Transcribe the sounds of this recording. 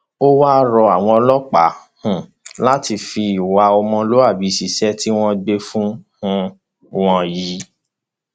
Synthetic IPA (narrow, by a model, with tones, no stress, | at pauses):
o˦wa˦ɾɔ˧a˨w̃ɔ̃˧ɔ˧lɔ˦k͡pa˨˦hũ˨ | la˦ti˧fi˧i˨wa˧ɔ˧mɔ̃˧lo˨˦a˦˨bi˨˦si˨sɛ˦ti˦w̃ɔ̃˦ɡ͡be˧fũ˦hũ˦ | w̃ɔ̃˧ji˨˦